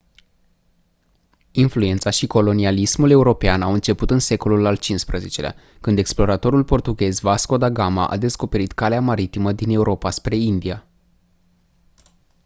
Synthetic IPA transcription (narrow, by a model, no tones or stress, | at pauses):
influe̞nt̪saʃiko̞lo̞nialismule̞uɾo̞peanawɨnt͡ʃe̞put̪ɨnse̞ko̞lulalt͡ʃinspɾəze̞t͡ʃe̞lea̰ | kɨnd̪e̞ksplo̞ɾat̪o̞ɾulpo̞rt̪uɡʲe̞zvasko̞d̪aɡama̰ʔa̰d̪e̞sko̞pe̞ɾit̪kaleamaɾit̪iməd̪ine̞uɾo̞paspɾe̞ind̪ia